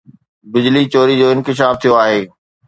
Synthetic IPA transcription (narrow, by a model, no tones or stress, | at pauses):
bɪd͡ʑlit͡ɕoːɾid͡ʑoːɪ̃nkɪʃ̬aːft̪ʰijoaːɦeː